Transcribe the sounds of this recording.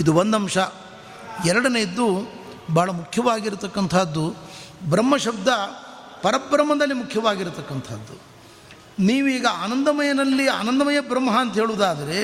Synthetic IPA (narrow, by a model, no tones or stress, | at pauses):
id̪uond̪ɐmʂɐ | ɛɾɐɽɐneid̪ːu | bʱaːɭɐmukʰjɐʋaːɡiɾut̪ɐkːɐnt̪ʰaːd̪ːubɾɐmːɐʃɐb̚d̪ɐ | pɐɾɐbɾɐmːɐd̪ɐlːimukʰjɐʋaːɡiɾut̪ɐkːɐnt̪ʰa̰ːd̪ːu | niːʋuiːɡɐaːnɐnd̪ɐmɐjɐnɐlːia̰ːnɐnd̪ɐmɐjɐbɾɐmːɐɦɐɐnt̪ɐɦeːɭuːd̪aːd̪ɐɾe̞